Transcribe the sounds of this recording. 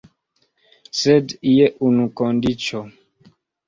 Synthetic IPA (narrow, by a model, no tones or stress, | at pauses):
sɛdijɛʔunũkɔndit͡ʃɔ